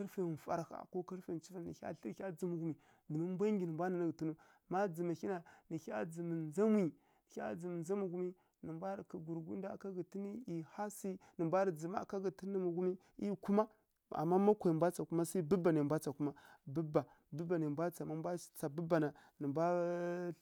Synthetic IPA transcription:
ka˦ɾfa˨fa̰˦ɾxa̰˨ko˦ka˦ɾfe˨nt͡ʃi˦va˦˨nḭ˨a̰˦ɬə˦˨˦a˦d͡zə˨mu˨ɡu˦mi˨ | də˨ma˦m˦bʷa˦ŋɡi˨nə˨mbʷa˦na˨na˦ɡə˨tu˦nu˦˨ | ma˦d͡zə˨ma˨xi˦na˨ni˨ça̰˦d͡zə˨mə˨nza˦mwi˦˨˦ | a̰˦d͡zə˨mə˨nza˦mu˨ɡu˦mi˦ | nə˨mbʷa˦ɾka˨ɡu˨ɾɡu˦n˦da˦˨ka˦ɡə˨ti˦ni˦i˨ha˦si˦nə˨mbʷa˦ɾd͡zi˨ma̰˦˨ka˦ɡə˨ti˦ə˦mu˨ɡu˦mi˦ | i˦ku˦ma˦ | a̰˨mːa˦ma˦kʷa˨i˨mbʷa˦t͡sa˨ku˦ma˦sa˦i˦bə˦ba˨na˨mbʷa˦t͡sa˨ku˦ma˦bə˦ba˨ | bə˦ba˨na˨mbʷa˦t͡sa˨ma˦m˦bʷa˦t͡sa˨bə˦ba˨na˨ | nə˨mbʷa˦

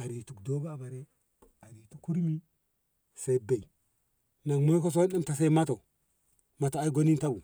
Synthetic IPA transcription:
a˨ɾi˨tu˨kdo˦baː˦˨ba˨ɾe˦ | a˨ɾi˨tu˨kːu˦ɾmi˦ | se˨˦be˨i˨ | na˨ŋmo˦ko˦s̬o˦ɗa˦mta˨s̬e˦ma˦to˨ | ma˦to˨a˦i˦ɡo˦ni˦nta˦bu˨

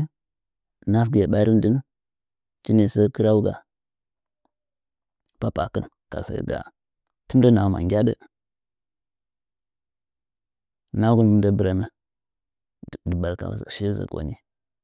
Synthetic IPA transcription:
na˦fɡa˨ɓa˦ɾi˦mdə˦n | t͡ʃi˦ni˨sə˦kə˦ɾa˦u˦ɡa̰˨ | pa˦pa˨kə˦n | ka̰˨sa̰˦˨ɡa̰˨ | tə˦m˦də˦na˨ma̰˨ŋɡʲa˦də˦ | na˦ɡu˦nmə˦da˦bə˨ɾa˨mə˦˨ | də˨ba˨lka̰˨zə̰˨ʃi˦zə̰˨ka̰˨ni˦

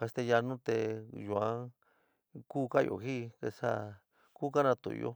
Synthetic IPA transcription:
ka˧st̪e˧ja˧nũ˦t̪e˧ju˧˨ã˧˦ | ku˦ka˦˧jo̰˨ɦi˦ke˧sa˦ | ku˦ka˦nã˧t̪ṵ˨˧jo̰˧

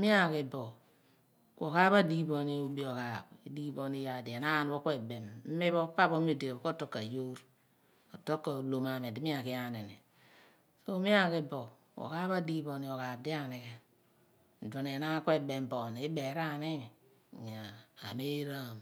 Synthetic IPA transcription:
mi˦a˦˨ke˨bo˨ | ko˨ka˦ba˦di˦bo˨ni˦u˦bi˦o˨ka˨bi˦di˦bo˨ni˦ja˨di˨e˨na˦˨nbo˦kʷe˦˨be˨mm̩˦mi˦bo˦pa˦bo˦mi˦˨de˨e˨ko˦to˦kːa˨jo˦ɾ | o˨to˦kːa˨lo˨ma˨me˨di˦mi˦a˨ki˦ja˨ne˨nḛ˨ | so˦mi˦a˦ke˦bo˨ | ko̰˨ka˦ba˦di˦bo˨ni˨o˨ka˨b̚di˦a˦˨ne˨ke˨ | n̩˨do˨n˨e˨na˦kʷe˦be˨mbo˨n˨i˦be˨ɾa˦˨ni˦˨ | ɲ˨a̰ː˨me˦ɾa˦˨m

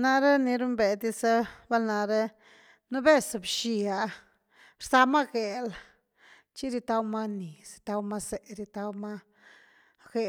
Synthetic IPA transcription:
na˧ɾe˦ni˧ɾu˦mbe˨d̪i˧sa˦ba˦lna˧ɾe˦ | nu˦be˦sbʃi˧a˨ | ɾza˧ma˦ɡe˨l | t͡ʃi˦ɾi˧t̪a˧wma˦ni˨si̥˧t̪a˧wma˦se˨ɾi˧t̪a˧wma˦ | ɡe˨

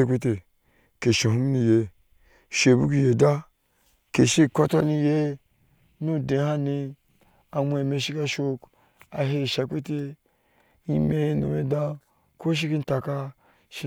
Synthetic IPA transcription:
e˧kʷe˦t̬e˧ | ke˨ʃe˨ɦu˦m˦nĩ˧˨je˧ | ʃe˨bu˦k̬i˧je˨da˦ | ke˨ʃi˦˨ko˦ta˦ni˧je˦ | nu˦de˨˦ha˦ni˧ | a˧mʷ˦˧e˨me˧ʃi˦ka˦˧ʃo˦k | a˧ɦe˦˨ʃa˧ke˦te˧ | i˦me˦no̰˨me˦da˦ | ko˦ʃ̬i˦ki˦n̩˦ta˨ka˧ | ʃi˦

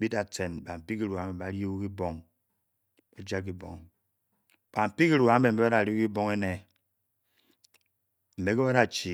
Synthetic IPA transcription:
bi˦da˨te˨nba˨m̩˨pi˦ki˦ɾu˨a˨˦e˨a˨ɾi˦e˦u˦ki˦bo˦ŋ | e˦d͡ʒa˦k̬ːi˦bɔ̰˨ŋ | ba˨m̩˨pi˦ki˦ɾu˨a˨˦e˨m̩˨e˦ba˦da˨ɾi˦i˦bo˦ŋe˦ne˨ | m̩˨be˦ke˦ba˦da˨t͡ʃi˨

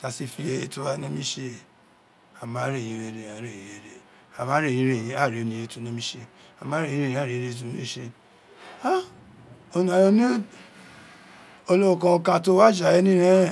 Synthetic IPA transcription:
ta˨˧si˦˨fi˧e˧e˧to˧wa˧˦nĩ˦mĩ˦ʃe˧˨ | a˨ma˨˦ɾe˦˨jĩ˨˦ɾe˧ɾe˨a˨˦ɾe˦˨jĩ˦ɾe˨ɾe˨ | a˨ma˨˦ɾe˦˨ĩ˦ɾe˨ĩ˨˦a˦˨ɾe˨o˧nĩ˨˧e˧˦to˧˦nĩ˦mĩ˦ʃe˧a˨mã˦ɾe˦˨ĩ˨˦e˦˨ĩ˨˦a˦˨e˨˧ɾe˧˨t̬u˧˦n˦e˦˨ʃe˧ | a˦ | o˧nũ˨a˨jõ˧nĩ˦ | o˧lo˦o˨kã˧kã˧to˦wa˦˨d͡ʒa˨ɛ˦nĩ˦ɾẽ˦˨

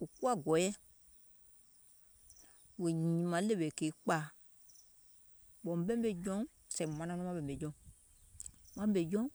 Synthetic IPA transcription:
u˨ku˦a˦˨ɡɔ˨jɛ˦ | we˨ɲĩ˨ĩ˨˦mã˨˦le˦be˨ke˨˦k͡paː˨˦˨ | ɓɔ̃˨m˨ɓɛ̃˦m˦e˨d͡ʒɔ̃˦˨sɛ̃˨mã˨nã˧˦nɔ̃˦ã˦ɓɛ˨m̩˨be˨d͡ʒɔ̃˨˦ | mã˦m˦ɓe˨d͡ʒɔ̃˦

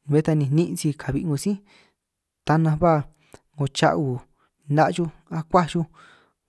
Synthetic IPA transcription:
βe˧˦˧t̪a˧nĩ˧˨˦nĩ˦˧ʔt͡si˧kʰa˨βi˧ŋũ˧sĩ˦ | t̪a˧nã˧βa˦˨ | ŋɡo˧t͡ʃa̰˧ʔu˧˨ | nã˧ʔʒu˧ | a˧kʷa˦ʒu˧

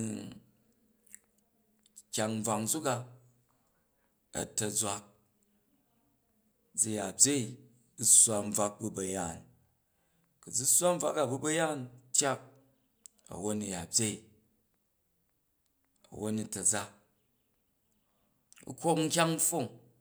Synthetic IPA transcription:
kʲa˧ŋ̩˦b͡va˧ŋd͡zu˦ka˧ | ɐ̰˨tɐ˨d͡zʷa˧k̚ | d͡zi˧ja˨bʲe˦i˨ | u˦sʷa˧m̩˦b͡va˧k̚bu˧bɐ˨ja˨n | ku˨d͡zu˦sʷa˦m̩˦b͡va˦ka˨bu˦bɐ˦ja˦˨ntʲja˦k̚ | ɐ̰˨wo˦nu˨ja˨bʲje˦i˨ | ɐ̰˨wo˦nu˧tɐ˨d͡za˦ | ṵ˦kʷo˦kŋ̩˦kʲa˦ŋ̩˦fo˦˨ŋ

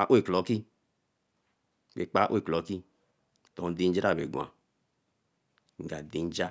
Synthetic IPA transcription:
a˦ʔe˦˨klɔ˨˦ki˦ | ke˨k͡pa˨˦ʔe˦˨klɔ˨˦ki˦ | tɔ˨n˦di˧n̩˦d͡ʒɾa˦˨bḛ˨ɡũ˨a̰˨ | ŋ̩˨ɡa˨di˧n˦d͡ʒa˦

